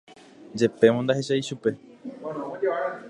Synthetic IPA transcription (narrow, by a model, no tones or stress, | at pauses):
d͡ʒe̞pe̞mõnd̪aheʃaiʃupe̞